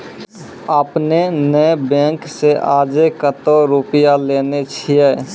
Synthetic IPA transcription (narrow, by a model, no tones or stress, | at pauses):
əpnenəbɛ̃ːŋkseʔaːd͡ʒekət̪oɾupjaleːnet͡ʃʰiɛː